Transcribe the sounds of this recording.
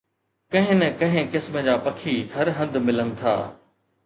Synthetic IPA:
kɐ̃ɦɪ̃nɛkɐ̃ɦɪ̃kɪsməd͡ʑaːpɐkʰiɡʰʱɐɾɦɐ̃nd̪mɪlənɪ̆t̪ʰa̰ː

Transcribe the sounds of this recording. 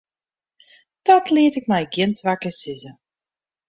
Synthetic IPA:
d̥ɔtʰliətɪkmɛjɡjɪntʰʋakəsɪzə

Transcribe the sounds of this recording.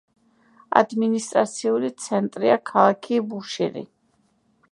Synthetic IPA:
a̰d̪minist̪ʼɾat̪sʰiulit̪sʰɛnt̪ʼɾiakʰalˠakʰibuʃiɾḭ

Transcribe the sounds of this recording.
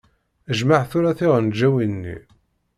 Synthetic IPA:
əʒmaʕθʊɾæθɪʁənd͡ʒːæwinːḭ

